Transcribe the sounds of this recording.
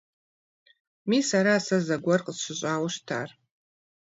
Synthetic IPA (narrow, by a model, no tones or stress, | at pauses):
misaɾasazaɡʷarqʼəzʃʷɨɕʷʼawaʂtʰa̰r